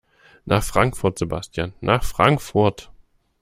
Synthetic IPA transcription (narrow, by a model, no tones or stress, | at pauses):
nʔaːχfʁ̥aŋkfʊɐtz̥eba̰stʰjanːʔaːχfʁ̥aŋkfʊɐt